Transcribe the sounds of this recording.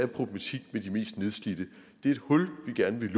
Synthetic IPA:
æpʰʁob̥lemæt͡sʰiɡ̥med̥ime̝̰ːsd̥ne̝ðˠsɡ̥lid̥ə | d̥e̝æɐe̝d̥hɔ̽lʋiɡ̥æɐnəʋe̝l

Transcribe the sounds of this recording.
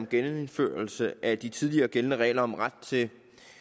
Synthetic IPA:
mɡ̥ennfø̰ːɐlsəʔæd̥it͡sʰið̞ˠliɐːɡ̥elnəʁɛ̰ːlɐɒ̽mʁäd̥̚t͡sʰe̝

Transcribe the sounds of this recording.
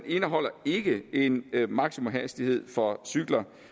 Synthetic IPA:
ne̝nəɦɒ̽l̰ɐe̝ɡ̥əe̝nmɑ̈ɡ̥simɔmɦæsd̥ihe̝ð̞̰ˠfɒ̽syɡ̥lɐ

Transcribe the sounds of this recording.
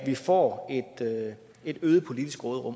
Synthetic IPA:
ʋifɒ̰ːe̝d̥ø | e̝d̥øːð̞̩ˠpʰo̝lid̥isɡ̥ʁɔːð̞ˠʁɔ̽m

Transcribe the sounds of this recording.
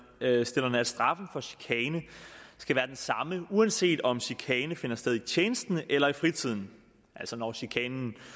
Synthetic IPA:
sd̥e̝lɐnəæ̥sd̥ʁɑ̈fn̩fɒ̽ɕi̥kʰɛːnəsɡ̥æʋæːɐd̥ensɑ̈məuænse̝̰ːd̥ɒ̽mɕikʰɛːnəfe̝nɐsd̥eðˠit͡ɕʰjeːnəsd̥n̩ʔelɐifʁit͡sʰið̞̰ˠn̩ | ʔælsɒnɒɕikʰɛːnn̩

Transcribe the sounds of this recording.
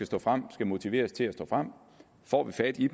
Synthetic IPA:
æsd̥ɔ̰̽ːfʁam̰sɡ̥æmo̝t͡sʰiʋe̝̰ːɐst͡sʰe̝læsd̥ɔ̰̽ːfʁam̰ | fɒ̰ːʋifæd̥id̥

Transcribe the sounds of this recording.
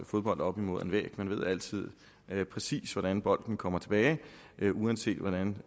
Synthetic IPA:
fo̝ð̞ˠb̥ɒ̽l̰d̥ɒ̽b̥imo̝ð̰ˠe̝nʋɛ̰ːɡ̥menʋe̝ð̰ˠæl̰t͡sʰið̰ˠ | pʰʁɛsḭːsʋɒɾ̥ænb̥ɒ̽l̰d̥n̩kʰɒ̽m̰ɐt͡sʰe̝b̥ɛːɪ | ʔʔuense̝̰ːd̥ʋɒdɾæn

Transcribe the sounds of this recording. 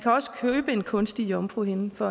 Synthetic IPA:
kʰæɒ̽sə̥kʰøːb̥əe̝nkʰɔ̽nsd̥ijɒmfʁuhe̝nəfɒ̽

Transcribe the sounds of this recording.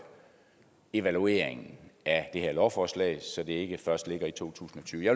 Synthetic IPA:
e̝ʋælue̝ɐ̰eŋn̩æd̥e̝heɐlɒʊfɒːslɛ̰ɪsɒ̽d̥e̝e̝ɡ̥əfɶɐsd̥le̝ɡ̥ɐit͡sʰo̝̰ːt͡sʰṵːsn̩ɒ̽t͡sʰyːʊjɑ̈

